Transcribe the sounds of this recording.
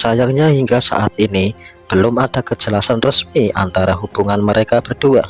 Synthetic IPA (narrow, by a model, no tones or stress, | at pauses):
sajaŋɲahiŋɡasa̰ʔat̪̚inib̥əlʊmad̥akəd͡ʒəlasanrəsmiʔa̰nt̪aɾaɦub̥uŋanməɾekab̥ərd̥ua